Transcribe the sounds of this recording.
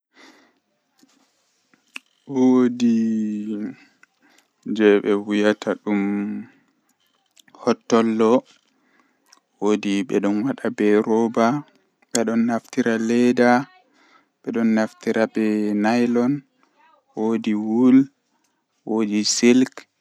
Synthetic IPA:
wodi | d͡ʒɛɓɛwujatʰaɗum | hɔtːɔlːɔ | wodiɓɛ̰ɗɔnwaɗabɛɾɔba | ɓɛɗɔnːaftiɾalɛda | ɓɛɗɔnːaftiɾabɛnajlɔn | wodiwul | wodisilk

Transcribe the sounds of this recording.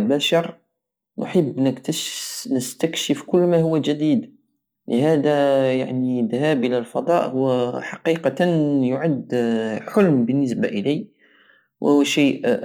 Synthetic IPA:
lbæʃɑɾˤ | nʔʊ̰ħəbːnəkt̪nəst̪ækʃəfkʊlːmæhʊwːæʒæd̪id̪ | ləhæd̪æjaʕnid̪hæbʔəlælfɑd̪ˤɑʔhʊwːæħɑqiqɑnjʊʕad̪ːħʊlmbənːəs̬baʔəli | wʔwʃiːʔ

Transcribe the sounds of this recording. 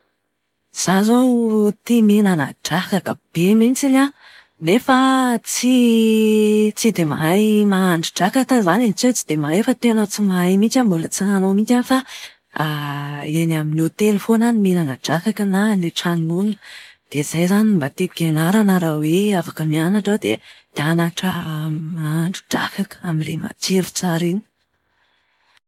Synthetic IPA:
z̥azot̪iminanəʈ͡ʂakakəb̥emint͡sina | nefat͡si | t͡sid̪emaajmaːɳɖ͡ʐiʈ͡ʂakak̪əzanent͡set͡sid̪̥emaefət̪enət͡simajmit͡ʃambulət͡sinanomit͡ʃanifa | enaminiot̪elfonanimenanəɖ͡ʐakakənaneʈ͡ʂanimund̪̥eiz̥ajzanimbat̪epiɡenaɾanaɾaweafakəmianaʈ͡ʂad̪ḛd̪̥eanaʈ͡ʂəmaːɳɖ͡ʐu̥ɖ͡ʐa̰kakə̥amilema̰t͡ʃeɾut͡saɾini̥

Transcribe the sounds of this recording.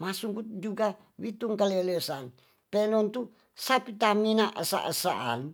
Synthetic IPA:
masuŋkut̪d͡ʒuɡa | wit̪uŋkalɛlɛsan | pɛnɔnt̪u | sapit̪aminaʔə̰sa̰ʔəsaʔa̰n

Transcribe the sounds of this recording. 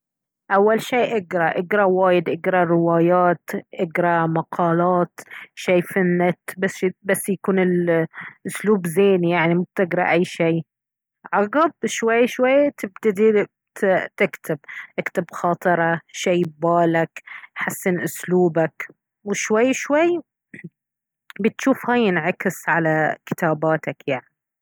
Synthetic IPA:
ʔawːalʃiːʔɪɡɾˤɑʔɪɡɾˤɑwaːjɪd̪ʔɪɡɾˤɑɾɪwaːjaːt̪ʔɪɡɾˤɑmɑqʰɑːlɑːt̪ʃaːfanːɪt̪basbasːjakuːnɪlʔʊsluːbzeːnijaʕnimʊb̚t̪ɪɡɾˤɑ̰ʔajːʃiː | ʕɑɡɑb̚ʃwajːʃwajːt̪ɪbt̪ad̪i | t̪ɪkt̪ʰɪbʔɪkt̪ɪbxɑːt̪ˤɨɾˤɑʃaːbaːlakħasːɪnʔʊsluːbak | wɪʃwajːʃwajː | bɪt̪ʃuːfhaːjɪnʕakɪsʕalakɪ̥t̪aːbaːt̪akjaʕni

